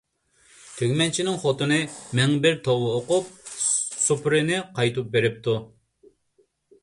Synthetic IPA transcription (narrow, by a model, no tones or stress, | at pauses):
t̪ʰøɡʲmɛnt͡ʃʰinɪŋχot̪ɨnɨmɛŋbɪɾt̪ʰowɨoqʊp̚supɾɪnɪqʰɑjt̪up̚beɾɪp̚t̪u